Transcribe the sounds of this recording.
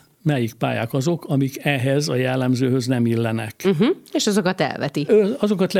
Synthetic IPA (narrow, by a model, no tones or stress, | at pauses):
mɛjik̚pa̰ːja̰ːkɒzo̞kɒmikɛɦɛzɒjɛlːɛmzøːhøznɛmilːɛnɛ̰k̩ɦ̩eːʃɒzokɒt̪ɛ̰lvɛ̰t̪iøɒzo̞kɒt̪l